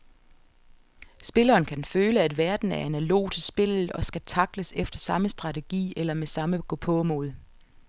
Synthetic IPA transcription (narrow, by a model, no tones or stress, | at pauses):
sb̥e̝lɐːnkʰænføːləæd̥ʋæɐd̥n̩æɐænælo̝̰ːt͡sʰe̝sb̥e̝l̰ð̩ˠɒ̽sɡ̥æt͡sʰɑ̈ɡ̥ləsefd̥ɐsɑ̈məsd̥ʁɑ̈t͡sʰe̝ɡ̥ḭːelɐmesɑ̈məɡ̥opʰɔmo̝ːðˠ